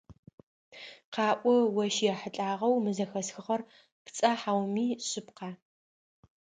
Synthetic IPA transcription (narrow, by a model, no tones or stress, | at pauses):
qɑːʔʷɔwɐʃjɛħəɬʼaːʁɐwmɨzɐxɐsxɨχɐr | pt͡sʼɐħawmiːɕɪpqaː